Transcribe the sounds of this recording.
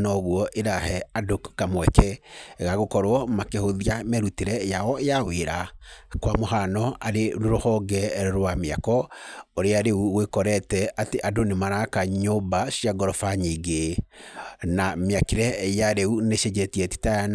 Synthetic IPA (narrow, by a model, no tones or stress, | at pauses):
nɔɣwɔʔeɾahɛadokamwɛkɛɣaɣokɔɾwɔmakehoðiamɛɾuteɾɛjaɔejaweɾakwamoɦanɔaɾeɾoɾohɔɡɛɾɔɾwameakɔoɾeaɾeuɣwekɔɾɛtɛateʔadonemaɾakaɲobaʃiaɡɔɾɔfaɲiɡe | nameakeɾɛjaɾeuneʃed͡ʒɛtiɛti̥taa